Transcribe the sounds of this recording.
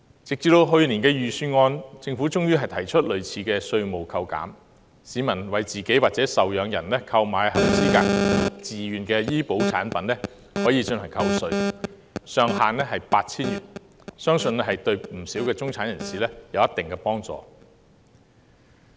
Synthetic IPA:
t͡sɪ˨k̚t͡siː˧t̪o˧wɦɵ˧ɥni˨˩nkɛː˧jyː˨˧syː˧ŋɔː˧nt͡sɪ˧ŋfuː˨˥t͡sʊ˥ŋjyː˥ɦɐ˨jt̪ʰɐ˨˩jt͡ʃʰɵ˥t̚lɵ˨˧ɥt͡sʰiː˧kɛː˧sɵ˧ɥmo˨wkʰɐ˧wka̰ː˨˥m | siː˨˧mɐ˨˩nwɐ˨jt͡siː˨ke˨˥jwaː˨t̚t͡sɛː˨˥sɐ˨wjœː˨˧ŋjɐ˨˩nlɛː˥kʰɐ˧wmaː˨˧jɦɐ˨˩wsiː˥kaː˧˨t͡siː˨jyː˨nkɛː˧jiː˥po˨˥wt͡sʰa̰ː˨˥npɐ˨˥nɛː˥ | hɔː˨˥jiː˧t͡ʃɵ˧ntʰɐ˨˩ŋkʰɐ˧wsɵ˧ɥ | sœː˨˧ŋhaː˨nlɛː˥ɦɐ˨˩jpaː˧t̚t͡sʰiː˥nɥyː˨˩n | sœː˥ŋsɵ˧nɛ˥hɐ˨jt̪ɵ˧ɥm̩˨˩siː˨˥wkɛː˧t͡sʊ˥ŋt͡sʰaː˨˥njɐ˨˩nsiː˨˩lɛː˥jɐ˨˧wjɐ˥t̪ɪ˨ŋkɛː˧pɔː˥ŋt͡sɔ̰ː˨˩

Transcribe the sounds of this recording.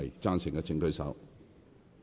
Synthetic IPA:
jt͡saː˥nsɪ˨˩ŋkɛː˧t͡sɪ˧ŋkɵ˥˧ɥsɐ̰˨˥w

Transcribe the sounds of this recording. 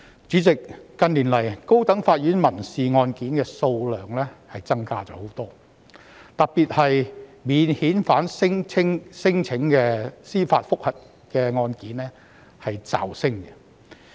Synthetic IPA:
t͡syː˨˥t͡sɪ˨kːɐ˧nliː˨˩nlɐ˨˩jko˥wt̪ɐ˨˥ŋfaː˧t̚jyː˨˥nmɐ˨˩nsiː˨ŋɔː˧nkiː˨˥nkɛː˧so˧wlœː˨ŋlɛː˥hɐ˨jt͡sɐ˥ŋkaː˥t͡ʃɔ̰ː˨˥ho˨˥wt̪ɔː˥ | t̪ɐ˨k̚piː˨t̚hɐ˨jmiː˨˧nhiː˨˥nfaː˨˥nsɪ˥ŋt͡sʰɪ˥ŋsɪ˥ŋt͡sʰɪ˨˥ŋkɛː˧siː˥fa̰ː˧t̚fʊ˥k̚hɐ˨t̚ | kɛː˧ŋɔː˧nkiː˨˥nlɛː˥ | hɐ˨jt͡sa̰ː˨wsɪ˥ŋkɛ̥˧

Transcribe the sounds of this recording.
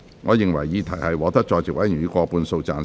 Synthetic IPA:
ŋɔ̰ː˨˧jɪ˨ŋwɐ˨˩jːiː˨˧t̪ʰɐ˨˩jhɐ˨jwɔː˨˧t̪ɐ˥k̚t͡ʃɔː˧jt͡sɪ˨k̚wɐ˨˥jnyː˨˧˥kʷɔː˧puː˧nso˧wt͡saː˧n

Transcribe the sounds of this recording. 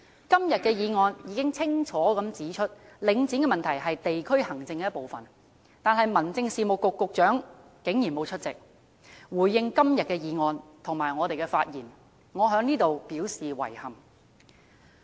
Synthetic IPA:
kɐ˥mjɐ˨t̚kɛː˧jiː˨˧ŋɔː˧njiː˨˧kɪ˥ŋt͡sʰɪ˥ŋt͡ʃʰɔː˨˥kɐ˨˧˥mt͡siː˨˥t͡ʃʰɵ˥t̚lɪ˨˧ŋt͡siː˨˥nkɛː˧mɐ˨nt̪ʰɐ˨˩jɦɐ˨jt̪e˨jkʰɵ˥ɥhɐ˨˩ŋt͡sɪ˧ŋkɛː˧˦j̚po˨wfɐ˨n | t̪aː˨nɦɐ˨jmɐ˨˩nt͡sɪ˧ŋsiː˨mʊ˨kːʊ˨kːʊ˨k̚t͡ʃœː˨˥ŋ | kɪ˨˥ŋji˨˩nmo˨˧wt͡ʃʰɵ˥t̚t͡sɪ˨k̚ | wuː˨˩jːɪ˧ŋkɐ˥mjɐ˨t̚kɛː˧jiː˨˧ŋɔː˨˧nt̪ʰʊ˨˩ŋmaː˨˩jŋɔː˨˧t̪e˨jkɛ˧faː˧t̚jiː˨˩n | ŋɔː˨˧ɦœː˨˥ŋniː˥t̪o˨wpiː˨˥wsiː˨wɐ̰˨˩jhɐ˨˩m

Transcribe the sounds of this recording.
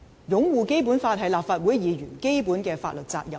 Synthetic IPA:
jʊ˨˥ŋwuː˨ke˥jpu˨˥nfaː˧t̚ɦɐ˨˩jlaː˨p̚faː˨˧t̚wu˨˥jjiː˨˧ɥyː˨˩nke˥jpuː˨˥nkɛː˧fa̰ː˧t̚lɵ˨t̚t͡sa̰ː˧k̚jɐ˨˩

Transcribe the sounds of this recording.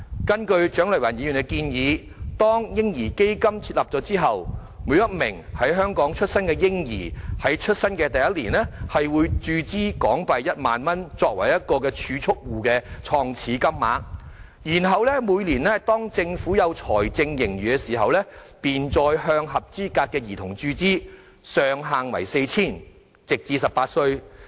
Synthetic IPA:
kɐ˥nkɵ˧ɥt͡ʃœː˨˥ŋlœ˨˩wɐ̰˨˩njiː˨˧y˨˩kɛ˧kiː˧njiː˨˧ | t̪ɔː˥ŋjɪ˥ŋjiː˨˩ke˥jkɐ˥mt͡sʰiː˧t̚lɐ˨p̚t͡sɔː˨˥t͡siː˥ɦɐ˨w | muː˨˧˥jɐ˥t̚mɪ̰˨˩ŋhɐ˨˥jɦœː˥ŋkɔː˨˥ŋt͡ʃʰɵ˥t̚sɐ˥nkɛ˧jɪ˥ŋjḭː˨˩hɐ˨˥jt͡ʃʰɵ˥t̚sɐ˥nkɛː˧t̪ɐ˨jɐ˥t̚liː˨˩nlɛ˥hɐ˨jwuː˨˧jt͡ʃyː˧t͡siː˥kɔː˨˥ŋpɐ˨jjɐ˥t̚ma̰ː˨nmɐ˥nt͡ʃɔː˧k̚wɐ̰˨˩jɐ˥t̚kɔː˧kɛː˧t͡ʃʰyː˨˧t͡sʰʊ˥k̚wuː˨kɛː˧t͡ʃʰɔː˧ŋt͡sʰiː˨˥kɐ˥mːa̰ː˨˥k̚ | jiː˨˩nɦɐ˨wlɛ˥muː˨˧jliː˨˩nlɛ˥t̪ɔː˥ŋt͡sɪ˧ŋfuː˨˥jɐ˨˧wt͡ʃʰɔ̰ː˨˩jt͡sɪ˧ŋjɪ˨˩ŋjyː˨˩kɛ˧siː˨˩ɦɐ˨wlɛ˥piː˨nt͡ʃɔː˧jɦœː˧ŋɦɐ˨p̚t͡siː˥kaː˧t̚kːɛː˧jiː˨˩t̪ʰʊ˨˩ŋt͡ʃyː˧t͡siː˥ | sœː˨ŋɦaː˨˩ŋwɐ̰˨˩jse˧jt͡sʰiː˥˩n | t͡sɪ˨k̚t͡siː˨˧sɐ˨paː˧t̚sɵ˧ɥ

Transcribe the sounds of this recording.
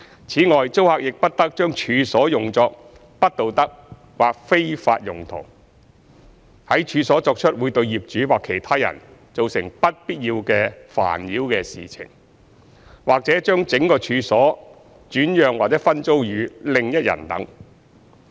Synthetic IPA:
t͡sʰiː˨˥ŋɔː˨jt͡so˥whaː˧k̚jɪ˨k̚pɐ˥t̚t̪ɐ˥k̚t͡ʃœː˥ŋt͡ʃʰyː˨˧sɔː˨˥jʊ˨ŋt͡sɔː˧k̚ | pɐ˥t̚t̪o˨wt̪ɐ˥k̚ | waː˨k̚fe˥jfa̰ː˧t̚jʊ˨˩ŋt̪ʰo̰˨˩w | hɐ˨˥jt͡ʃʰyː˧sɔː˨˥t͡sɔː˧k̚t͡ʃʰɵ˥t̚wuː˨˧jt̪ɵ˧ɥjiː˨˩p̚t͡ʃyː˨˥waː˨kʰːe˨˩jt̪ʰaː˥jɐ̰˨˩nt͡so˨wsɪ̰˨˩ŋpɐ˥t̚piː˥t̚jiː˧wkɛː˧fa̰ː˨˩njiː˨˥wkɛː˧sḭː˨t͡sʰɪ̰˨˩ŋ | waː˨k̚t͡sɛː˨˥t͡ʃœː˥ŋt͡sɪ˨˥ŋkɔː˧t͡ʃʰyː˧sɔː˨˥ | t͡ʃyː˨˥njœː˨˧ŋwaː˨k̚t͡sɛ˨˥fɐ˥nt͡so˥wjyː˨˧˥lɪ˨ŋjɐ˥t̚jɐ̰˨˩nt̪ɐ̰˨˥ŋ

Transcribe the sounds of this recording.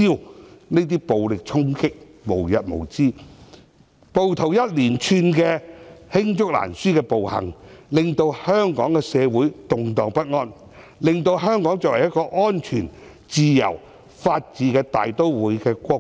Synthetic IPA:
iː˥wne˥t̪iː˥po˨wlɪ˨k̚t͡ʃʰʊ˥ŋkɪ˥k̚ | mo˨˩wjɐ˨t̚mo̰˨˩wt͡siː˥ | po˨wt̪ʰo˨˩wjɐ˥t̚liː˨˩nt͡ʃʰyː˧nkɛː˧hɪ˥ŋt͡sʊ˥k̚la̰ː˨˩nsyː˥kɛː˧po˨whɐ̰˨˩ŋlɪ˨ŋt̪o˧whœː˥ŋkɔː˨˥ŋkɛː˧sɛː˨˧wuː˨˥jt̪ʊ˨ŋt̪ɔː˨˩ŋpɐ˥t̚ŋɔː˥n | lɪ˨ŋt̪o˧wɦœː˥ŋkɔː˨˥ŋt͡sɔː˨kwɐ˨˩jɐ˥kɔː˧ʔɔː˥nt͡ʃʰyː˨˩n | t͡siː˨˧jɐ̰˨˩w | faː˧t̚t͡siː˨˧kɛː˧t̪a̰ː˨jt̪o˥wwuː˨˥jkɛː˧kʷɔː˧

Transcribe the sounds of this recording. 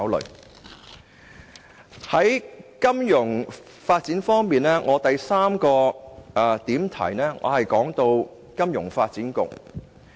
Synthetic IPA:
wlɵ̰˨˩ɥ | hɐ˨˥jkɐ˥mjʊ˨˩ŋ | faː˧t̚t͡siː˨˥nfɔː˥ŋmiː˨nɛː˥ŋʔɔː˨˧t̪ɐ˨jsaː˥mkɔː˧ | t̪iː˨˥mt̪ʰɐ̰˨˩jnɛː˥ŋʔɔ̰ː˨˧hɐ˨jkɔː˨˥ŋt̪o˧w | kɐ˥mjʊ̰˨˩ŋfaː˧t̚t͡siː˨˥nkʊ̰˨k̚

